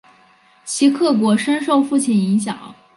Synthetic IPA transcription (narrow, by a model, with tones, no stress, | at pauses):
t͡ɕʰi˧˥kʰɤ˥˩k̬wɔ˧˥ʂə˥nʂo˥˧ʊfu˥˩t͡ɕʰi˥˩ni˧˥ŋɕjɑ̰˨˩˦ŋ